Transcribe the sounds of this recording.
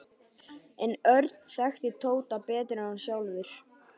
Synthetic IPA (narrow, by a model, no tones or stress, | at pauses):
ɛnœɾt̪n̥θaxt̪ɪt̪ʰoːwt̪apɛːt̪ɾɪansjawlvɪɾ̥